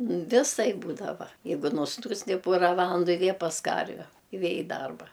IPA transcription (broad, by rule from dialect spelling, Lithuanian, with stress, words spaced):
ʋʲɪˈsɐɪp ˈbuːdɐʋɐ ˈjɛɪɡʊ nʊsˈnuːsʲtʲɪ ˈpoːrɐ ˈʋɑːlˠɐndʊ ɪ ˈʋʲeː pɐs ˈkɐrʲʋʲɛ ɪ ˈʋʲeː ɪ ˈdɐrbɐ